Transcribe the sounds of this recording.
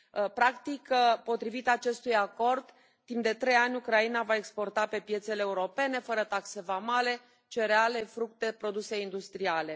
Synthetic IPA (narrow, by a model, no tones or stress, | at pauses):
pɾakt̪ikpo̞t̪ɾivit̪at͡ʃe̞st̪ujako̞rd̪ | t̪impd̪e̞t̪ɾe̞janʲukɾainavae̞kspo̞rt̪ape̞pje̞t̪se̞leːuɾo̞pe̞ne̞fəɾət̪akse̞vamale̞ | t͡ʃe̞ɾeale̞fɾukt̪e̞pɾo̞d̪use̞ind̪ust̪ɾiale̞